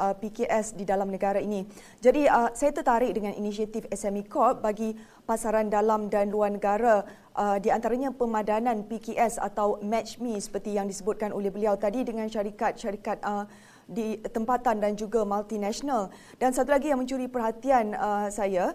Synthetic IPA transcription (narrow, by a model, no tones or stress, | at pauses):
əpikeʔɛsdidalamnə̃ɡaɾainĩ | d͡ʒadiəsajat̪ərt̪aɾɪʔ̚dəŋãnʔḭnisiat̪ifɛsɛmikɔt̪̚baɡi | pasaɾandalamdanluarnəɡaɾa | ʔədiant̪aɾaɲãpəmãdanãnpikeʔɛsa̰t̪awmɛt͡ʃmĩsə̥pərt̪ijaŋdisəbʊt̪̚kanolehbəliawt̪adidəŋãnʃaɾikat̪̚ʃaɾikat̪̚ə | dit̪əmpat̪andand͡ʒuɡamalt̪inɛ̃ʃonal | dansat̪ulaɡijaŋmə̃ɲt͡ʃuɾipərɦat̪ianəsaja